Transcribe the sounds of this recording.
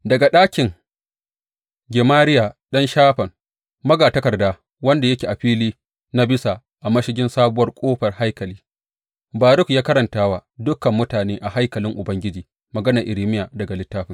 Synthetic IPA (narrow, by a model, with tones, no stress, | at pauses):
dɐ˨ɡa˨ɗaː˦kʲɪ˨ŋ | ɡʲɛ˨maː˦ɾɪ˦ja˨ɗɐ˦nʃaː˦ɸɐ˨ŋ | mɐ˦ɡaː˨tɐ˦kɐ˨rdaː˦ | wɐ˦nda˨jɐ˦kʲeː˨ʔa˨ɸiː˦liː˦ | na˦bɪ˦sa˨ | ʔa˨mɐ˦ʃɪ˦ɡʲɪ˦nsaː˦bʊ˦wɐ˦rkʷʼoː˦ɸɐ˨rha˦jkɐ˨liː˦ | baː˨ɾʊ˦kjaː˦kɐ˦ɾɐ˨ntaː˦wa˦dʊ˦kːɐ˨mːʊ˦taː˨neː˦ʔa˨ha˦jkɐ˨lɪ˦ŋʔʊ˨bɐ˦ŋɡʲɪ˦d͡ʒiː˨ | mɐ˨ɡɐ˦nɐ˨rʔɪ˨ɾiː˦mɪ˦jaː˨dɐ˨ɡa˨lɪ˦tːaː˦ɸɪ˦ŋ